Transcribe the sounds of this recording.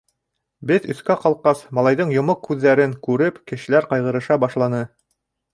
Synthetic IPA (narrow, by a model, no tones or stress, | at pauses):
bɘðɵ̆θkæqɑlˠqɑsmɑlˠɑjðɤɴjŏmoqʰːʉðːæɾɘŋkʉɾɘpkɘ̆ʃɘ̆læɾqɑjʁɤ̆ɾɤ̆ʃɑbɑʃlˠɑnɤ